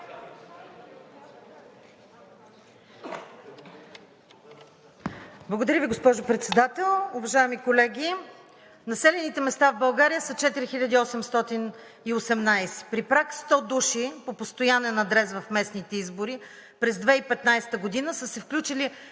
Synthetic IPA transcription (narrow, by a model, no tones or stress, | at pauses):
blˠɡod̪ɐɾʲjəviɡospɔʒopɾɛt̪sɛd̪at̪ɛlˠʊvɐʒaɛmikolɛɡʲi | nɐsɛlɛnit̪ɛmɛst̪avbɐlˠɡaɾijəsət͡ʃɛt̪iɾixilʲəd̪iɔsɛmst̪ɔt̪in | iosɛmnajsɛ̥pɾipɾakst̪ɔd̪uʃipopost̪ojanɛnɐd̪ɾɛzvɐfmɛsnit̪ɛizboɾi | pɾɛzd̪vɛipɛt̪najst̪əɡod̪inəsəsɛfklʲut͡ʃili